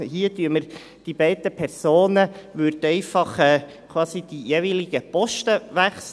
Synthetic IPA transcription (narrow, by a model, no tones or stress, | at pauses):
hiətyəməɾ | d̥ibɛɪdəpʰɛɾsoːnəʋøɾdɛɪfɑχɛː | kʰwɑːsid̥ijeʋiliɡ̥əpɔʃtəʋæχs